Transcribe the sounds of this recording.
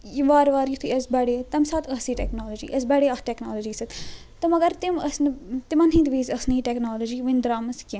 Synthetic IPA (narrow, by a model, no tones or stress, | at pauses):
jiʋaːɾʋaːɾjut̪ʰuɐsbɐɽeːt̪ɐmsaːt̪ʰɐsiːʈɛ̰knoːlod͡ʒḭːʔɐs̬bɐɽeːɐsʈeknaːlod͡ʒiːsɐt̪ | t̪ɐmɐɡɐɾt̪imɐsnt̪imɐnɦĩːd̪ʋiːzɐsniːʈeknaːlod͡ʒiːʋind̪ɾaːmɐskẽ